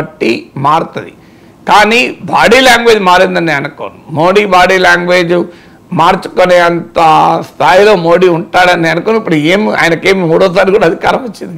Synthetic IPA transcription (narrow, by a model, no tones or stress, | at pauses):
ɐʈːimaːɽut̪ɐd̪ḭ | kaːniːbaːɽiːljaːŋɡʋeːd͡ʒmaːɾind̪ɐnːiːɐnuko̰ːnumo̞ːɽiːbaːɽiːlaːŋɡʋeːd͡ʒu | maːɾt͡ʃu̥koneːɐnt̪ɐst̪ʰaːjilo̞ːmo̞ːɽiːuɳʈaːɽɐnːiɐnukoːnuipːuɽueːmia̰ːjɐnɐkeːmimuːɽɔːsaːɾkuːɽaːɐd̪ʱikaːɾɐmot͡ʃːind̪i